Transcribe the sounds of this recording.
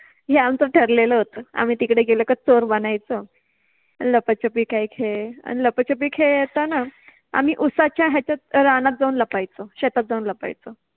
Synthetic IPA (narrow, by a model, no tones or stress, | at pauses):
ɦeamt͡səʈʰəɾleləɦot̪əa̰m̤iːt̪ikɽeɡeləkət͡soɾbənajt͡sə | ləpət͡ɕəpiːkaɦiːkʰea̰niləpət͡ɕəp̬iːkʰeet̪ana | a̰m̤iʔusat͡ɕjaɦjat͡ɕjaɾanat̪̚d͡zauːnləpajt͡səɕet̪at̪̚d͡zauːnləpa̰jt͡sə